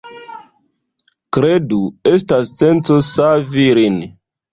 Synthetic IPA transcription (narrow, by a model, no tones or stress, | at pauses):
kɾeduestasːent͡sosaviɾin